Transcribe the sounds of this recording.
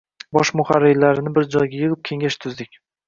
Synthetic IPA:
bɒʃmʊχaɾːɪlːaɾɪnɪbɪɾd͡ʒɒjɡʲajɨʁɨp̚kʲʰe̞ŋɡʲaʃt̪ʰʊzd̪ɪkʲ

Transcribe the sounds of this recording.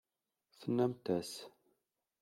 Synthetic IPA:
θənːæmt̪æs

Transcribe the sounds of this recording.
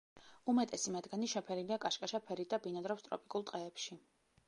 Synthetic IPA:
umɛt̪ʼɛsimad̪ɡaniʃɛpʰɛɾiliakʼaʃkʼaʃapʰɛɾit̪̚d̪abinad̪ɾɔpst̪ʼɾɔ̰pʼikʼulˠt̪ʼqʼɛːpʃi

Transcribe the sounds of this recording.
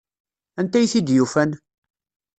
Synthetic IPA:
ænt̪æjθid̪jufæn

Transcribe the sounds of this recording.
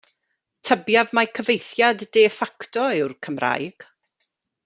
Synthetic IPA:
tʰəbjavmakʰəvejθjadːeːfaktɔɪwrkʰəmra̰jɡ̥

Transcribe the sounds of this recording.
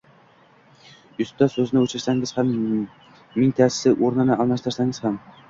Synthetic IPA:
jɵst̪ːɑsɵznɪɵt͡ʃaɾsæŋɡʲɪzhamː | int̪ʰæssɪʔoɾnɪnɪʔɑlˠnɑʃt̪ɪɾsæŋɪz̥ham

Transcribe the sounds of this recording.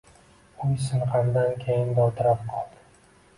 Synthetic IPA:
ʊjsɪɴqʰaɾd̪ankʲʰejɪnd̪at̪ʰɪɾap̚qʰɒlˠd̪ɪ

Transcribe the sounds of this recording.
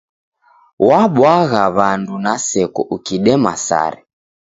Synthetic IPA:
waɓwaɣaβandunasɛkɔʔukiɗɛmasa̰ɾɛ

